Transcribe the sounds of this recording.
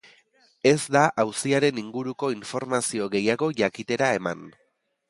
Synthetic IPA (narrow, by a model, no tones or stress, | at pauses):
e̞zd̪aʔawsiaɾe̞niŋɡuɾuko̞iɱfo̞ɾmasio̞ɣe̞jaɣo̞ʝakit̪e̞ɾae̞man